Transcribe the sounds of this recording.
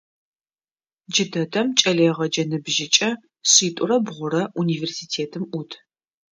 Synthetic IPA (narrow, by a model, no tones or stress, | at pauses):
d͡ʒɪdɐdɐmt͡ʃʼɐleːʁɐd͡ʒɐnɨbʒɪt͡ʃʼɐ | ɕiːtʼʊrɐbʁʷʊɾɐuniːversiːtʰeːtʰɨmʔʷutʰ